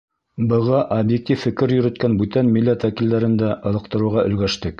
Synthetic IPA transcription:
bɤ̆ʁɑʔɐbjek̚t̪ʲifːɘ̆kɘɾjɵ̆ɾɵ̆t̪̚kænbʉt̪ænmilːæt̪wækild̪æɾɘ̆nd̪æʔɤ̆lˠɤ̆q̚t̪ɤ̆ɾŭʁɑʔɵ̆lɡæʃt̪ɘk

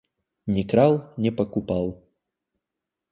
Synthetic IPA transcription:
nʲɪkɾalˠnʲɛpɐkupalˠ

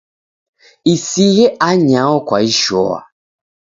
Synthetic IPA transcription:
isiɣeʔaɲãwɔkʷaiʃɔa̰

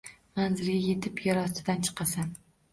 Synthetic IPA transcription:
manzɪɾɡʲaje̞t̪ʰɪpjɒɾɒsɪd̪ant͡ʃʰɨ̥qʰɑsan

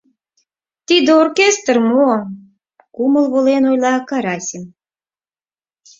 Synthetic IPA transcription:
t̪id̪eorkʲest̪ərmo | kuməlβolenojlɑkɑɾɑsʲem

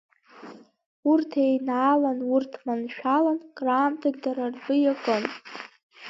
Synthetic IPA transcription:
urtʰejnaːlanurtʰmanʃᶣalankʼraːmtʰaɡ̚daɾarbʼɨjakʼɨn

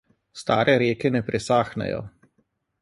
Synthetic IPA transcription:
st̪aːɾʔɛɾjeːkɛnɛpɾʔɛsaːxnɛ̰jɔ̰

